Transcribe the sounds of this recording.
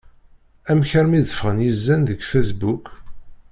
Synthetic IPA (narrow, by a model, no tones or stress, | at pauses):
æmçəɾmiðəfʁənjizːænðəɡfæs̬buk